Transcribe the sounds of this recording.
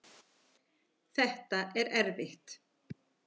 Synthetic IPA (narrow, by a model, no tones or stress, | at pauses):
θɛht̪aʔɛɾɛɾvɪht̪